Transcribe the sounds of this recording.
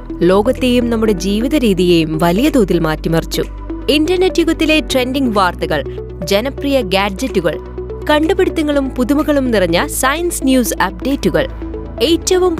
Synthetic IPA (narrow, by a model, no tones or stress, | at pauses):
lo̞ːɡɐt̪ːe̞jumnɐmːuɽe̞d͡ʑiːʋiðɐɾiːðijejumʋɐlijɐd̪uːðilmaːtːimɐrt͡ɕːṵ | indɐrnetːjuɣɐt̪ːile̞ʈre̞ndiŋɡʋaːrt̪ɐɣɐɭ | d͡ʑenɐprijɐɡaːɖd͡ʑɐtːuɣɐ̰ɭ | kɐɳɖupeɽut̪ːɐŋːɐɭumpuðumɐɣɐɭumnirɐɲːɐsɐjɐnsnjuːsɐp̚ɖe̞ːtːuɣɐ̰ɭ | ejtːɐʋum